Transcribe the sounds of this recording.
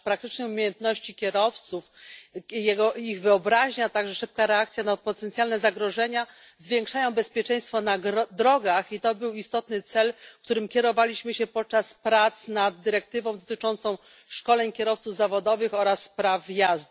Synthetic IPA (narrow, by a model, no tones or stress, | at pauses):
pɾakt̪ɘt͡ʂnɛumʲejɛnt̪nɔɕt͡ɕikʲɛɾɔft̪suf | jɛɡɔiɣvɘɔbɾaʑɲat̪aɡʐɛʂɘp̚kaɾɛakt̪sʲjanapɔt̪ɛnt̪sjalnɛzaɡɾɔʐɛɲa | zvʲjɛ̃ŋkʂajɔ̃w̃bɛspʲjɛt͡ʂɛ̃j̃st̪fɔnaɡd̪ɾɔɡaxit̪ɔbɘwist̪ɔt̪nɘt̪sɛlk̚t̪uɾɘmkʲɛɾɔvalʲiɕmɘɕɛpɔt̪̚t͡ʂaspɾat̪snad̪̚d̪ːɘɾɛk̚t̪ɘvɔ̃w̃d̪ɔt̪ɘt͡ʂɔnt̪sɔ̃w̃ | ʂkɔlɛɲkʲɛɾɔft̪suvzavɔd̪ɔvɘxɔɾasːpɾavjazd̪